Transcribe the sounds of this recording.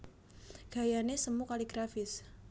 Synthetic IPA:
ɡ̥a̤janesəmukaliɡ̥ɾafɪs

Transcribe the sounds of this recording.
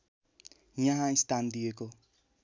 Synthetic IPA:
jʌɦãist̪and̪ijeko

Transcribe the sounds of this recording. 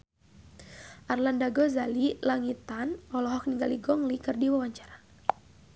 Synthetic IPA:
ʔarlandaɡɔzalilaŋit̪anɔlɔɦɔk̚niŋɡaliɡɔŋlikɨrdiwawaɲt͡ʃḁɾa

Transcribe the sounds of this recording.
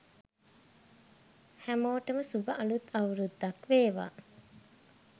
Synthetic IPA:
hæmoːʈəməsubəʔalut̪ʰːawɾud̪ːɐkʋeːʋa̰ː

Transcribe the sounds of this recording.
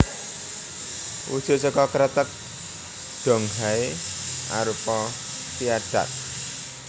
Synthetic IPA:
ʔṵso̤səkɔkəɾət̪ək̚ | d̪̥ɔ̤ŋɦaeʔa̰ɾupɔ | piaɖ̥a̰t̪̚

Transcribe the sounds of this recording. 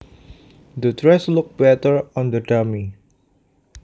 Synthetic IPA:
d̪ətɹɛslʊk̚bɛtəɹɔ̃nd̪ədami

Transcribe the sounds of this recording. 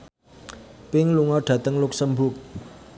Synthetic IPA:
pɪŋluŋɔɖ̥ä̤t̪əŋlʊk̚səmbʊk̚

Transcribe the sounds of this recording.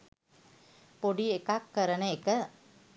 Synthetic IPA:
poɖiekakːəɾənəekə

